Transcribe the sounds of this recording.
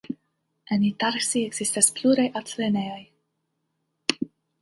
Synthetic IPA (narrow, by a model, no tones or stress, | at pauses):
ɛnit̪aɾksiɛksist̪aspʰluɾajʔat̪lenejaj